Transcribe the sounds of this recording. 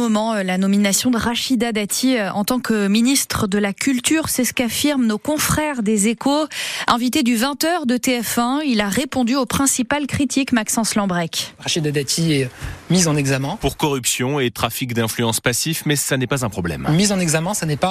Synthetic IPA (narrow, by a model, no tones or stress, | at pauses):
ɔmɑ̃lanɔminasjɔ̃d̪əʁaʃid̪ad̪at̪ʰiɑ̰̃t̪ɑ̃kəminist̪χəd̪əlakʲylt̪yːʁsɛsə̥kafiʁmnokɔ̃fχɛʁd̪ezekoɛ̃vit̪ed̪yvɛ̃t̪œʁd̪ət̪eɛfɛ̃ilaʁepɔ̃d̪yopχɛ̃sipalkχit̪ʰikmaksɑ̃slɑ̃bʁɛkʁaʃid̪ad̪at̪ʰiɛmizɑ̃nɛɡzamɛ̃puʁkɔʁypsjɔ̃et̪χafikd̪ɛ̃flyɑ̃spasifmɛsanɛpazɛ̃pχɔblɛ̰mmizɑ̃nɛɡzamɛ̃sanɛpa